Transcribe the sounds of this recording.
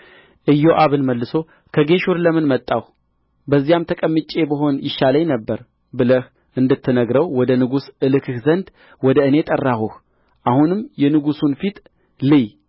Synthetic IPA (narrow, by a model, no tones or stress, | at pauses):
ʔɨjːoʔaβɨnməlːɨso̞ | kʰəɡe̞ʃuɾləmɨnmət̪ʼːaw | bəzːijamt̪ʰəkʼəmːɨt͡ʃʼe̞bəɦo̞njɪʃːaləɲnəbːəɾ | bɨləh | ʔɨnd̪ɨt̪ʰːɨnəɡɾəwwɔd̪ənɨɡusɨlɨkʰɨhzənd̪ | wɔd̪əɨne̞t̪ʼərːahuh | ʔahunɨmjɛnɨɡusunfit̪ʰʼ | lɨj